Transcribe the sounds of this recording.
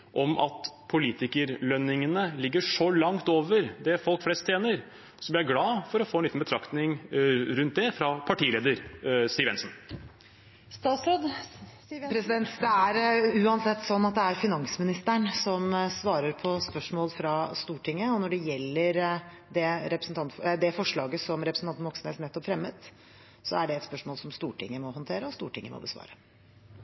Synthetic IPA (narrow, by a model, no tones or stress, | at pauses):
ʔɔmʔɑ̰t̪pʰʊliːt̪ɪkəɾlœnːɪŋənəlɪɡːəʂɔlɑŋt̪oːʋəɾd̪ɛfɔlkflɛst̪ʰːjeːnəɾ | sɔblɪɾjæɪɡlɑːfɔɾɔfoːnlit̪n̩bət̪ɾɑkt̪nɪŋɾʉnt̪̚d̪ɛfɾɑpʰɑʈiːleːd̪əɾsiːəʋɛ̰nsn̩ | st̪ɑsod̪ | pʰɾɛsɪd̪ɛnt̪d̪ɛæɾʉːɑnsɛt̪ːsɔnːɑt̪̚d̪ɛæɾfɪnɑŋsmɪnɪst̪əɳsɔmsʋɑːɾəɾpʰɔspœʂmoːlfɾɑst̪uːʈʰɪŋːəɔnɔɖɛjɛlːəɾ | d̪ɛɾɛpɾəsnt̪ɑnt̪fd̪ɛfɔʂɭɑːɡəsɔmɾɛpɾəsn̩t̪ɑnt̪ːʋɔksən̩eːt̪nɛt̪ːɔpfɾɛmːət̪ | sɔæɖɛɛt̪spœʂmoːlsɔmst̪uːʈɪ̰ŋːəmɔhɔnt̪ʰeːɾəɔst̪ṵːʈɪŋːə̰mɔ̰bəsʋɑ̰ːɾə